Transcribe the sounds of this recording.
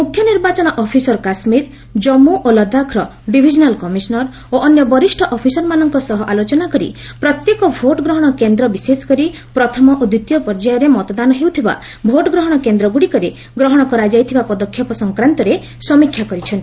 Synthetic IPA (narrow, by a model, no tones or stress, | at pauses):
mukʰjɔniɾbat͡ʃɔnɔʔɔpʰisɔɾɔkasmiɾ | d͡ʒɔmuʔolɔd̪ʱakʰɾɔ | ɖibʱid͡ʒɔnalkɔmisɔnɔɾ | oʔɔnjɔbɔɾisʈʰɔʔɔpʰisɔɾmanɔŋkɔsɔɦɔʔalot͡ʃɔnakɔɾḭ | pɾɔt̪jekɔbʱoʈɡɾɔɦɔɽ̃ɔkend̪ɾɔbisesɔ̥kɔɾi | pɾɔt̪ʰɔmɔʔod̪ut̪jɔpɔɾd͡ʒajɔɾemɔt̪ɔd̪anɔɦewt̪ʰiba̰ | bʱoʈɔɡɾɔɦɔɽ̃ɔkend̪ɾɔɡuɽikɔɾe | ɡɾɔɦɔɽ̃ɔkɔɾad͡ʒajt̪ʰibapɔd̪ɔkʰːjɔpɔsɔŋkɾant̪ɔɾe | sɔmikʰːjakɔɾit͡ʃʰɔnt̪i̥